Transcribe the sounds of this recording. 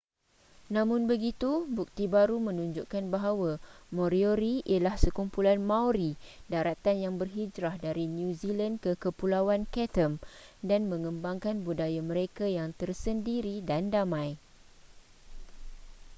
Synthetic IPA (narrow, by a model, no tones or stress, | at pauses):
nãmʊ̃nbəɡit̪ubuk̚t̪ibaɾumə̃nũɲd͡ʒuʔkanbaɦawamõɾioɾiḭalahsəkumpulanmãwɾidaɾat̪anjaŋbərɦid͡ʒɾahdaɾinjũzilandkəkəpulawankɛt̪əmdanmə̃ŋə̃mbaŋkanbudajamə̃ɾekajaŋt̪ərsəndiɾidandamãj